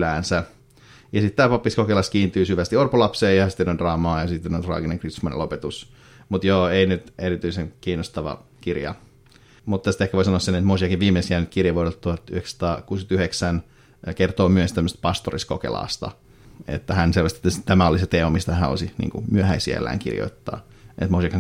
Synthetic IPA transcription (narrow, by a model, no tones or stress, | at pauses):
læːnsæ | jɑsit̪t̪ːæːpɑpːiskokelɑskiːnt̪yːsyʋæst̪iorpolɑpseːjɑsit̪ːenondrɑːmɑːjɑsit̪ːenont̪rɑ̰ːɡineŋkrit̪semonḛlopet̪us | mut̪joːeinyt̪eɾit̪yˑiseŋkiːnːost̪ɑʋɑ̰ | kirjɑ̰ | mut̪ːæst̪ehkæʋoisɑnoɑsenet̪mosiɑkiʋʋiːmːeisiænyt̪kirjɑʋoɾelt̪t̪ːuhɑt̪ːyhekst̪ɑːkuːskyt̪yheksæn | kert̪oːmyøst̪æmːøst̪̚pɑst̪oriskokḛlɑ̰ːst̪ɑ̰ | ḛt̪ːæhænselʋɑst̪t̪ːæst̪æmæoliset̪eːmɑmist̪æææo̰sinḭːŋkṵmyøhæisiæ̰lːæ̰ːŋkḭrjo̰it̪ːɑ̰ː | ʔḛt̪mosiɑkhæŋ